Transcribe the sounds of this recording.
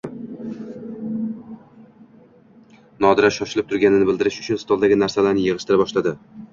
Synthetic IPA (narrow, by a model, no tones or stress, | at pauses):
nɒd̪ɪɾaʃɒʃɪlɪp̚t̪ʰʊɾɡʲanɪnɪbɪld̪ɪɾɪʃʊt͡ʃʰʊnst̪ɒlˠd̪aɡʲɪnaɾsalaɾnɪjɨʁɨʃt̪ɪɾabɒʃlad̪ɪ